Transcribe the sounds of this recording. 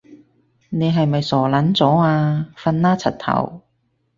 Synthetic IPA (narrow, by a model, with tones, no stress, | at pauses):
ne˨˧jɦɐ˨jmɐ˨jsɔː˨˩lɐ˨˥nt͡sɔː˨˥waː˧fɐ˧nːaː˥t͡sʰɐ˨˩t̚t̪ʰɐ̰˨˩w